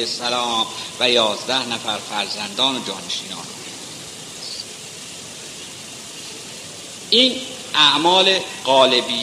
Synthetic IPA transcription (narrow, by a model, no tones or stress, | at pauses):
esælɒːmvæjɒːzd̪æhnæfæɾfæɾzænd̪ɒːnod͡ʒɒːneʃiːnɒ̰ːnuːnæ | ʔiːn | ʔæʔmɒːle̞ɢɒːle̞bi